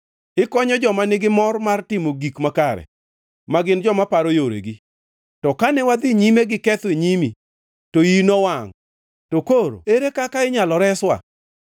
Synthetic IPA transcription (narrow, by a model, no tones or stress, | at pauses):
ɪkɔɲɔd͡ʒɔmanɪɡɪmɔrmartɪmoɡikmakaɾɛ̰ | maɡɪnd͡ʒɔmapaɾojoɾḛɡi | tɔkanɛwad̪ɪɲimeɡɪkɛt̪weɲimi | toinɔwaŋ | tokoɾo̰eɾekakaɪɲalɔɾɛswa̰